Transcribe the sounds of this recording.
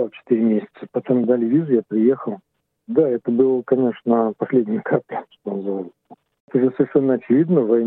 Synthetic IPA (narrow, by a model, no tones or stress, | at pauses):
alˠt͡ɕɪ̥t̪iɾʲɪmʲesʲɪ̥t̪səpɐt̪omd̪alʲɪvʲizʊjapɾʲɪje̞xəlˠ | d̪aɛt̪əbɨlˠəkɐnʲe̞ʂnəpɐsʲlʲedʲnʲɪjəkʰapʲɪʂt̪onəzɨvalʲ | ɛt̪əʐɨsəɪrʂɛnːəɐt͡ɕɪvʲid̪nəvɐ